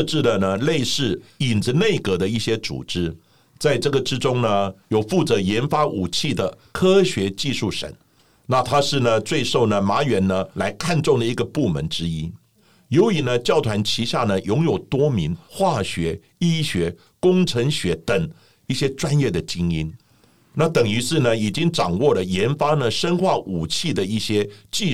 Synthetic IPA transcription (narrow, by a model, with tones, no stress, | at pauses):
ʈ͡ʂɻ̩˥˩lə˩nə˩le˥˧ɪʂɻ̩˥˩i˨˩nd͡z̩˧˦ne˥˩ɪkɤ˧˥d̪ə˧i˥˩ɕjɛ˥t͡sṵ˨˩ʈ͡ʂɻ̩˥ | t͡sa˥˧ɪʈ͡ʂɤ˥˩ɡə˩ʈ͡ʂɻ̩˥ʈ͡ʂʊ˥ŋnə˨jo˨˩ʊfu˥˩t͡sɤ˧˥jɛ˧˥nfa˥ʔu˨˩t͡ɕʰi˥˩d̪ə˩ | kʰɤ˥ɕɥɛ˧˥t͡ɕi˥˧ʂu˥˩ʂə̰˨˩˦n | na˥˩t̪ʰa˥ʂɻ̩˥˩nə˩t͡swe˥˧ɪʂo˥˩ʊnə˩ma˧˥ɥɛ˧˥nnə˧la˧˥ɪkʰa˥˧nʈ͡ʂʊ˥˩ŋd̪ə˩i˧˥ɡə˧pu˥˩mə̰˧˥nʈ͡ʂɻ̩˥i˥ | jo˧˥ʊi˨˩nə˧t͡ɕjɑ˥˩ʊt̪ʰwa˧˥nt͡ɕʰi˧˥ɕja˥˩nə˩jʊ˧˥ŋjo˨˩ʊt̪wɔ˥mi˧˥ŋxwa˥˩ɕɥɛ˧˥ | i˥ɕɥɛ˧˥ | kʊ˥ŋʈ͡ʂʰə˧˥ŋɕɥɛ˧˥t̪ə˨˩ŋ | i˥˩ɕjɛ˥ʈ͡ʂwa˥njɛ˥˩d̪ə˩t͡ɕi˥ŋi˥n | na˥˩t̪ə˨˩ŋy˧˥ʂɻ̩˥˩nə˨i˨˩t͡ɕi˥ŋʈ͡ʂɑ˨˩ŋwɔ˥˩lə˩jɛ˧˥nfa˥nə˨ʂə˥nxwa˥˩ʔu˨˩t͡ɕʰi˥˩d̪ə˩i˥˩ɕjɛ˥t͡ɕi˥˧